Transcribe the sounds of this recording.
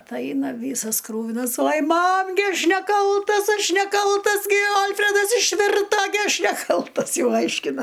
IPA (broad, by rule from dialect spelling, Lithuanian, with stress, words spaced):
ˈtɐɪ ˈɐɪnɐ ˈʋʲiːsɐs ˈkruːʋʲɪnɐs oːj ˈmɐm ɡʲɪ ˈɐʃ nʲɛˈkɐlˠtɐs ˈɐʃ nʲɛˈkɐlˠtɐs ɡʲɪ ˈɐlʲfʲrʲɛdɐs ɪʃʲˈʋʲɪrtɐ ɡʲɪ ˈɐʃ nʲɛˈkɐlˠtɐs ˈjɛʊ ˈɐɪʃʲkʲɪnɐ